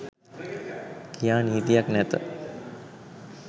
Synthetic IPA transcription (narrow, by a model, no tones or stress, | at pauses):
kʰijaːniːt̪ijaknɛt̪ə